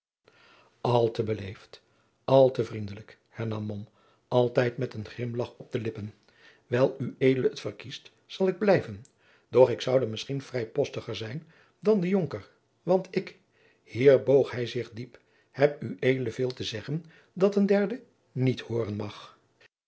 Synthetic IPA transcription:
ɑlˠtəbəlejft | ʔɑlˠtəvrindələk | hɛɹnɑmːɔm | ʔɑlˠtɛjtmɛtənχlɪmlɑχɔb̚dəlɪpən | ʋɛlˠyejdələətfərkist | sɑlˠɪɡ̚blɛjvən | d̥ɔχɪksʌwdəmɪsχinv̥rɛjpɔstəχəɹzɛjn | dɑndəjoŋkəɹ | ʋɑntɪk | hiːɹbowχɦɛjzɪχdip | hɛpyʔejdələvɪːlˠtəzɛχən | dɑtəndɛɹdə | nithʊːrənmɑχ

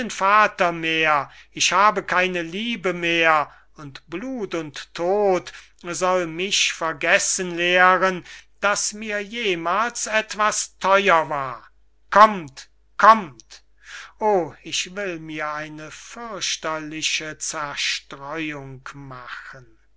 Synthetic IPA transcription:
nfaːtɐmeːɐɪʃhaːbəkʰaɪnəliːbəmeːɐ | ʊntb̥luːtʊntʰːoːt | zɔlmɪçfɛɐɡɛsənleːʁənd̥asmiːɐjeːmaːlsɛtv̥astʰɔʏɐvaːɐ | kʰɔmt | kʰɔmt | ʔoːɪʃvɪlmiːɐaɪnəfʏɐɕtɐlɪʃət͡sɛɐʃtʁ̥ɔʏʊŋkmaxən

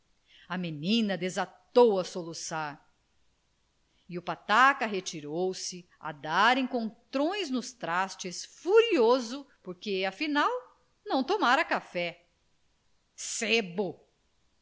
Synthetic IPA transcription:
ɐmenĩnɐd̪ezat̪owɐsolusaɾ | iʊpat̪akɐɦet͡ʃiɾowsɪ | a̰d̪aɾẽkõnt̪ɾõj̃znʊst̪ɾast͡ʃɪsfuɾiozʊpoɾkeɐfinaw | nɐ̃w̃t̪omaɾɐkafɛ | sebʊ

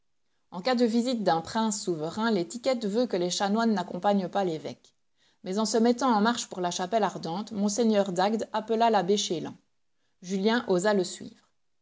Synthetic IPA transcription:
ɑ̃kad̪əvizit̪̚d̪ɛ̃pχɛ̃sːuvəʁɛ̃let̪ikʲɛt̪vøkəleʃanwanːakɔ̃paɲpalevɛ̰k | mɛzɑ̃səmɛt̪ɑ̃ɑ̃maʁʃpuʁlaʃapɛlaʁd̪ɑ̃t̪mɔ̃seɲœʁd̪aɡd̪apəlalabeʃelɑ̰̃ | ʒyljɛ̃ʔozaləsɥḭːvʁ

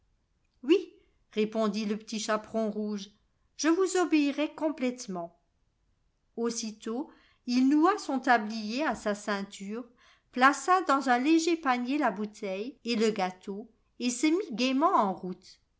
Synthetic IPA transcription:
wi | ʁepɔ̃d̪iləpə̥t̪iʃapχɔ̃ʁuʒ | ʒ̥əvuzɔbeiʁɛkɔ̃plɛt̪mɑ̃ | osit̪o | ilnuasɔ̃t̪ablijeasasɛ̃t̪yːʁ | plasad̪ɑ̃zɛ̃leʒepaɲjelabut̪ʰɛjeləɡat̪o | esəmiɡʲemɑ̃ɑ̃ʁut̪

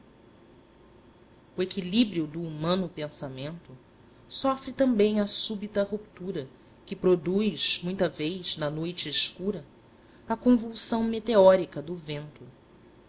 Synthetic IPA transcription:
ʊekilibɾiʊd̪ʊːmɐ̃nʊpẽsamẽnt̪ʊ | sɔfɾɪt̪ɐ̃bẽj̃ɐsubit̪ɐhup̚t̪uɾɐ | kɪpɾod̪ujzmũj̃t̪ɐvejznɐnojt͡ʃɪeʃkuɾɐ | ɐkõvuwsɐ̃w̃met̪eɔɾikɐd̪ʊvẽnt̪ʊ

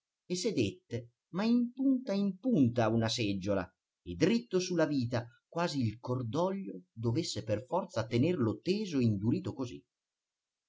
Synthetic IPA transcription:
esed̪et̪ːe | maimpunt̪aimpunt̪aunasɛd͡ʒːola̰ | ed̪ɾit̪ːosulːaviːt̪akwaːziːlkord̪ɔʎːod̪ovesːeperfɔrt̪sat̪enɛrlot̪eːzoind̪uɾiːt̪okozḭ

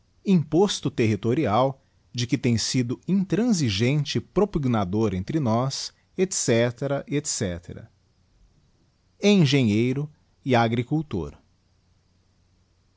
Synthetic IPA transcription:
ĩpost̪ʊt̪eɦit̪oɾiaw | d͡ʒɪkɪt̪ẽj̃sid̪ʊĩt̪ɾɐ̃ziʒẽnt͡ʃɪpɾopiɡnad̪oɾẽnt̪ɾɪnɔs | et̪sɛt̪eɾɐʔiet̪sɛt̪ʰḛɾɐ̰ | eẽʒẽɲejɾʊ | ɪaɡɾikuwt̪o̰ɾ

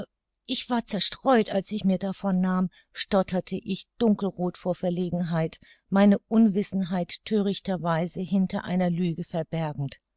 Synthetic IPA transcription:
ʔɪçv̥aːɐt͡sɛɐʃtʁ̥ɔʏtalsɪçmiːɐdafɔnːaːm | ʃtɔtʰɐtʰəʔɪçd̥ʊŋkl̩ʁoːtfoːɐfɛɐleːɡŋ̩ɦaɪt | maɪnəʔʊnvɪsn̩ɦaɪtʰːøːʁ̞ɪçtɐvaɪzəhɪntɐ̰ʔa̰ɪnɐlyːɡəfɛɐbɛɐɡŋ̩t

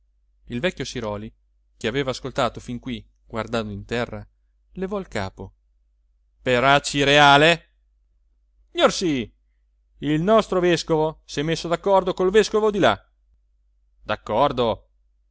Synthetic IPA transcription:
ilvɛkʲːjosiɾɔːli | k̟eaveːvaːskolt̪aːt̪ofiŋkwi | ɡ̥ward̪and̪oint̪ɛrːa | levɔilka̰ːpo | peɾat͡ʃːiɾeaːle | siɲorsi | ilnɔst̪ɾoveskovosɛmesːod̪akːɔrd̪okolveskovod̪ila | d̪akːɔrd̪o

